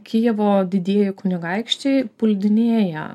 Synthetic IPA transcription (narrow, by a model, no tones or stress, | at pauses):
kʲijɛʋoːd̪ʲɪd̪ʲiːjɪkʊnʲɪɡɐɪkʃʲt͡ʃʲeɪpʊlʲd̪ʲɪnʲeːjɛ̰